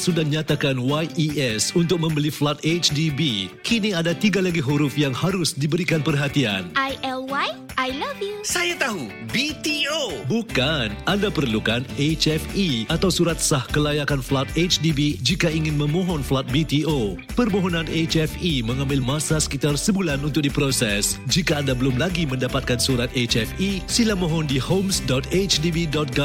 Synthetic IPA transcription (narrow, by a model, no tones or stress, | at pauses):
sudahɲat̪akanwajʔiʔɛsunt̪ʊk̚mə̃mbəliflat̪̚et͡ʃdibikiniadat̪iɡalaɡiɦuɾʊfjaŋhaɾʊsdibəɾikanpərɦat̪ia̰nʔajʔɛlwaj | ʔajlavjusajat̪aɦu | bit̪iobukanandapərlukanet͡ʃɛfiat̪awsuɾat̪̚sahkəlajakanflat̪̚et͡ʃdibid͡ʒikaiŋɪnmə̃mɔ̃ɦɔnflat̪̚bit̪io | pərmɔɦɔnãnet͡ʃɛfiməŋãmbɪlmasasə̥kit̪arsəbulanunt̪ʊk̚dipɾosɛsd͡ʒikaːndabəlʊmlaɡimə̃ndapat̪̚kansuɾat̪̚et͡ʃɛfisilamɔɦɔndihomsdɔt̪et͡ʃdibidɔt̪̚ɡɔ